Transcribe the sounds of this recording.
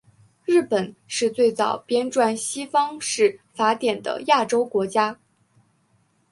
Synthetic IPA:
ɻɻ̩˥˩pə˨˩˦nʂɻ̩˥˧t͡swe˥˩ɪt͡sɑ˨˩ʊpjɛ˥nʈ͡ʂwa˥˩nɕi˥fɑ˥ŋʂɻ̩˥˩fa˧˥t̪jɛ˨˩nd̪ə̰˦ja˥˩ʈ͡ʂo˥ʊkwɔ˧˥t͡ɕja˥

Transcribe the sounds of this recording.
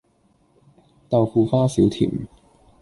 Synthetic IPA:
t̪a˧wfuː˧faː˥si˨˥wt̪ʰḭː˨˩m

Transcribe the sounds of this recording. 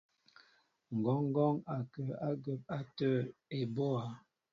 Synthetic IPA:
ŋ̩˨ɡɔ˨˦ŋ˦ɡɔ˦ŋa˨kə˨a˦ɡə˨p̚a˦tə˦˨e˨bo˦a˨˦

